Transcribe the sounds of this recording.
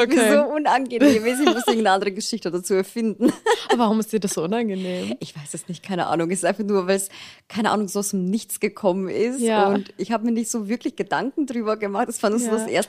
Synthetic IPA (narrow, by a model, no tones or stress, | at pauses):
oizoːʔʊnanɡəneːmɛsɪçmʊstʔɪŋ̩tnəʔandəʁəɡəʃɪçtəoːdɐt͡suːɛɐfɪndn̩vaʁʊmɪstd̥iːɐdaszoʔʊnanɡəneːmʔɪçv̥aɪsd̥asnɪçt̚kʰaɪnəʔa̰ːnʊŋɛsɪ̥stʔaɪnfaχnuːɐvaɪlskʰaɪnəʔa̰ːnʊŋzoːaʊsdɪmnɪçt͡sɡ̥əkʰɔmənʔɪstʊntɪçhaːbəmiɐnɪçtz̥oːvɪɐklɪçɡ̥ədaŋkŋ̩dʁyːbɐɡəmaχtɛsv̥aːɐnuːz̥oːdasʔḛːɐst